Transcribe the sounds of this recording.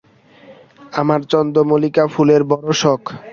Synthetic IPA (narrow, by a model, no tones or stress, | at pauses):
amaɾt͡ɕɔnd̪omolikafuleɾbɔɾoʃɔkʰ